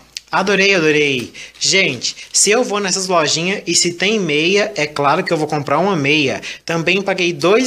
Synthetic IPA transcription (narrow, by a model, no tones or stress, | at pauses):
ad̪oɾejad̪oɾejʒẽnt͡ʃɪ̥sɪewvonɛsɐzlɔʒĩɲɐɪsɪt̪ẽj̃mejɐɛklaɾʊkɪewvowkõmpɾaɾũmɐmejɐt̪ɐ̃mbẽj̃paɡejd̪oj